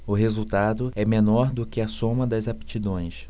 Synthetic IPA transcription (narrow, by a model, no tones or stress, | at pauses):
ʊɦezuwt̪ad̪ʊɛmenɔɾd̪ʊkɪɐsõmɐd̪ɐzapt͡ʃid̪õj̃s